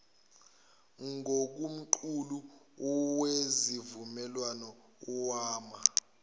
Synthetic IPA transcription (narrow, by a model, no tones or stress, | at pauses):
ŋok̬um̩ǃʰulu | ɔwezivumɛlwanɔ | ɔwaːma